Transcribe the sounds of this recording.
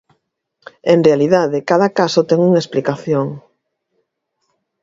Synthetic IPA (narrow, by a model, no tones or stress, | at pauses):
enrealiðaðɪkaðakasot̪ɛŋuŋaesplikaθjoŋ